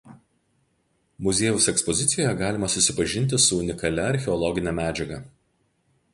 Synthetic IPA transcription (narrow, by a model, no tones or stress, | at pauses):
mʊzʲeːjʊsɛkspɔzʲɪt̪sʲɪjoːjɛɡɑːlʲɪmɐsʊsʲɪpɐʒʲɪnʲt̪̬ʲɪsʊʊnʲɪkɐlʲɛɐɾʲxʲɛɔlˠɔɡʲɪnʲɛmʲæːd͡ʒʲɛɡɐ